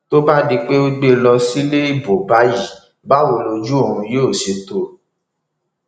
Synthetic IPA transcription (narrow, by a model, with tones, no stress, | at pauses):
to˦ba˦di˧k͡pe˦o˦ɡ͡be˦lɔ˧si˦le˦i˦˨bo˨ba˦ji˦˨ | ba˦wo˧˨lo˧d͡ʒu˦o˦˨ɾũ˧jo˦˨se˨˦to˨